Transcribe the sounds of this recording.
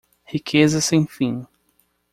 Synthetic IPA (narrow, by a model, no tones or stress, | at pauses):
hikʰezɐsẽj̃fĩ